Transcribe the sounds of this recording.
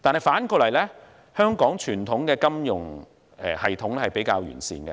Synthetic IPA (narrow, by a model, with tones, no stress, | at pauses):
t̪aː˨nhɐ˨˩jfaː˨˥nkɔː˧lɐ˨˩jlɛː˥ | hœː˥ŋkɔː˨˥ŋt͡ʃʰyː˨˩nt̪ʰʊ˨˥ŋkɛː˧kɐ˥mjʊ˨˩ŋ | ɛ̰ː˨˩hɐ˨jt̪ʰʊ˨˥ŋɛ˥hɐ˨jpe˨˥jkaː˧wjyː˨˩nsḭː˧nkɛ̰˧